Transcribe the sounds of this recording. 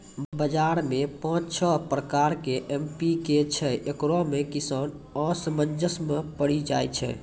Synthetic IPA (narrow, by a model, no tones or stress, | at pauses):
bəd͡ʒaɾmepãːt͡ʃt͡ʃʰɔpɾəkaɾkeʔempiket͡ʃʰɛʔekɾɔmekisan | ɔsəmənd͡ʒʱəsmepəɽid͡ʒa̰jt͡ʃʰɛ̰